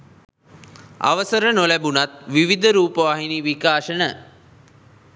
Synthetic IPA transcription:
a̰ʋəsəɾənolæbunat̪ʋiʋid̪ʱəɾuːpəʋaɦiniʋikaːʃənə

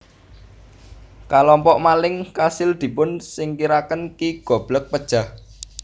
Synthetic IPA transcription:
kalɔmpɔʔmalɪŋkasɪld̪̥i̤pʊnsɪŋkiɾakənkiɡ̥ɔ̤b̥lək̚pəd̥ʒ̥a̤h

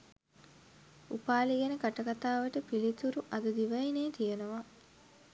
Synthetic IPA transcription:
upaːliɡænəkaʈɐkat̪aːʋəʈəpilit̪uɾuʔɐd̪əd̪iʋɐineːt̪ijenoʋa

